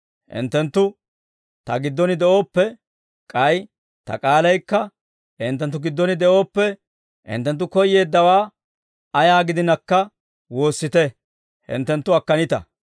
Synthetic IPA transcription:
ʔɪ̰nt̪ːɛnt̪ːʊ | t̪ɐɡɪd̪ːɔnɪd̪ɛʔo̞ːpːɛ | kʼɐj | t̪ɐ̰kʼaːlɐjkːɐ | ɪnt̪ːɛnt̪̬ːʊɡɪd̪ːɔnɪd̪ɛʔo̞ːpːɛ | ʔɪ̰nt̪ːɛnt̪̬ːʊkɔjːe̞ːd̪ːɐwaː | ɐjaːɡɪd̪ɪnɐkːɐ | wo̞ːsːɪt̪ɛ | hɪ̰nt̪ːɛnt̪ːʊɐkːɐnɪt̪ɐ̰

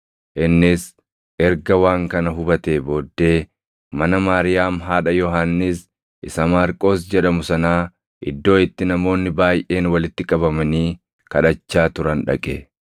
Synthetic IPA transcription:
ʔɪnːɪs | ʔɛɾɡɐwaːŋkɐnɐɦʊbɐt̪e̞ːbo̞ːd̪ːe̞ː | mɐnɐmaːɾɪjaːmɦaːᶑɐjɔɦanːɪs | ʔɪsɐmaːɾkʼo̞ːsd͡ʒɛᶑɐmʊsɐnaː | ʔɪd̪ːo̞ːɪt̪ːɪnɐmo̞ːnːɪbaːjʔe̞ːnwɐlɪt̪ːɪkʼɐbɐmɐniː | kɐᶑɐt͡ʃːaːt̪ʊɾɐnᶑɐ̰kʼe

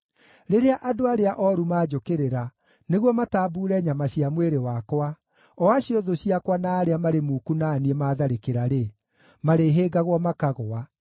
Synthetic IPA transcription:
ɾeɾeaʔadoaɾeaʔɔɾumaːd͡ʒokeɾeɾa | neɣwɔmataːbuːɾɛɲamaɕiamweɾewakwa | ɔaɕiɔðoɕiakwanaːɾeamaɾemukunaːniemaːðaɾekeɾaɾe | maɾeɦeːɡaɣwɔmakaɣoa

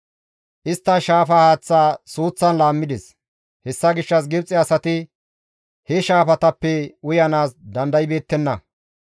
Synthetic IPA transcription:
ʔɪst̪ːɐʃaːfɐhaːt͡sːaːsuːt͡sːɐnlaːmːɪd̪ɛs | hɛsːɐɡɪʃːɐs̬ɡɛbt͡sʼːɪɐsɐt̪ɪ | hɛʃaːfɐt̪ɐpːɛʊjɐnaːsd̪ɐnd̪ɐjbe̞ːt̪ːɛnːɐ

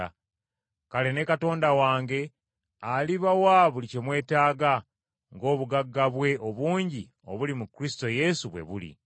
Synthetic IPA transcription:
kale̞ne̞kato̞ːndawaːŋɡe̞ | aliβawaβulice̞mwe̞ːtaːɡa | ŋɡo̞ːβuɡaɡːaβwe̞o̞βuːɲɟi | o̞̰βulimukɾisi̥to̞je̞suβwe̞̰βṵlḭ

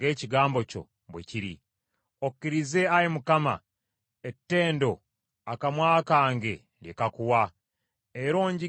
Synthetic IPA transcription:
e̞ːciɡaːmbo̞co̞̰ | bwḛciɾḭ | okːiɾize̞ajemukama̰ | etːe̞ːndo̞ | akamwaːkaːŋɡe̞ | ljekakuwa | eɾo̞ːɲɟi

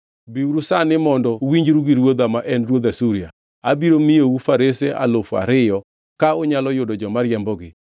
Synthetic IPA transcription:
biuɾusanɪmɔndɔwiɲd͡ʒɾuɡiɾwod̪amaʔɛnrwod̪asuɾia | abiɾomijowufaɾeseʔa̰lofa̰ɾɪjɔ | kaoɲalɔjʊdɔd͡ʒɔmaɾjɛmbɔɡɪ

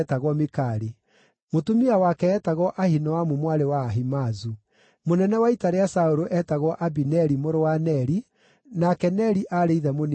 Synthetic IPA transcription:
taɣwɔmekaɾe | motumiawakɛːtaɣɔʔahinɔwamumwaɾewaːɦimazu | monɛnɛwaitaɾeasaoɾoʔɛtaɣwɔʔabinɛɾimoɾowanɛɾi | nakɛnɛɾiʔaɾeiðɛmon

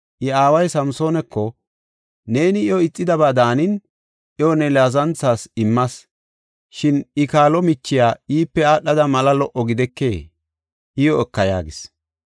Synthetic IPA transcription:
ʔɪaːwɐjsɐmso̞ːnɛkːɔ | ne̞ːnɪɪɔɪt͡sʼːɪd̪ɐbaːd̪aːnɪn | ʔɔnɛlaːzɐnt͡sːaːsɪmːɐs | ʃɪnɪkaːlɔmɪt͡ʃːɪjaːiːpːɛaːɗːɐd̪ɐmɐlɐlɔʔɔɡɪd̪ɛkːe̞̰ː | ʔɪjɔɛkːɐja̰ːɡɪs

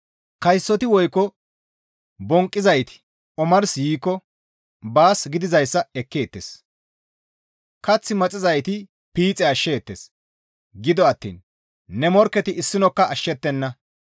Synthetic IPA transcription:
kɐjsːɔt̪ɪwɔjkːɔ | bɔŋkʼːɪzɐjt̪ɪ̥ | ɔmɐɾsjiːkːɔ | baːsɡɪd̪ɪzɐjsːɐɛkːeːt̪ːḛs | kɐt͡sːɪmɐt͡sʼɪzɐjt̪ɪ | piːt͡sʼɛɐʃːeːt̪ːḛs | ɡɪd̪ɔɐt̪ːḭːnː | ɛmɔɾkːɛt̪ɪɪsːɪnɔkːɐɐʃːɛt̪ːɛnːɐ

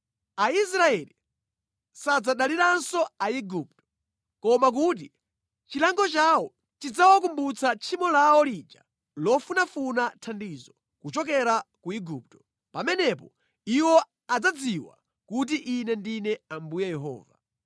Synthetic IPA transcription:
ais̬ɾaɛli | sad͡zaɗaliɾansɔaiɡup̚tɔ̥ | kɔmak̬uːt̬i | t͡ʃilaŋɡɔt͡ʃawɔ | tid͡zawak̬umbut͡sʰat͡ʃʰimɔlawɔlid͡ʒa̰ | lɔfunafunatʰandiːzɔ | kut͡ʃɔk̬ɛɾakuiɡup̚tɔ̥ | pamɛnɛpɔ | iwɔ | ad͡zad͡ziwa̰ | kut̬iʔinɛndinɛambujɛjɛɦɔ̰ːva

